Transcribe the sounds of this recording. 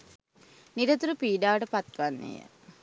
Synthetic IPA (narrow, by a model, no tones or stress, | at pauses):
niɾət̪uɾupiːɖaːʈəpat̪ʋanːḛjə̰